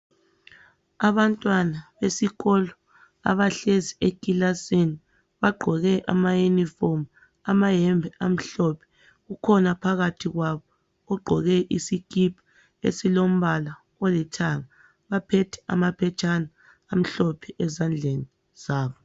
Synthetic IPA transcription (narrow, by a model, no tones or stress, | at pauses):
aβantʼwanaβesiɣɔlɔ | a̰βaɬeziekʼilasini | βaɡ͡ǃʱɔɣɛʔa̰majunifom | amajɛmbʱɛʔam̩ɬɔpʰɛ̥ | ɣukʰɔnapʰaɣatʰiɣwaβɔ | ɔɡ͡ǃʱɔɣɛʔisikʼipʰḁ | ḛsilom̩βala | ɔlɛtʰaŋa | βapʰɛtʰɛ̥a̰mapʰɛt͡ʃʰʼanaː | m̩ɬɔpʰɛʔɛzand͡ɮʱeni | z̥aːβɔ